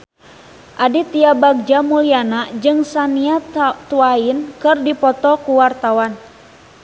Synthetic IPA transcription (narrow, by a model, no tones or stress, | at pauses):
ʔadit̪iabaɡ̚d͡ʒamulianad͡ʒɨŋsaniat̪uainkɨrdipɔt̪ɔkuwart̪awan